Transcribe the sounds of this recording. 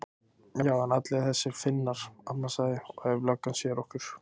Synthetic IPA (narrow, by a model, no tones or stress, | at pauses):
jajaːwanat̪lɪθɛsːɪɾfɪnːaɾ̥apnasaðɪɔɛvlœkːansjɛɾɔhkʏɾ̥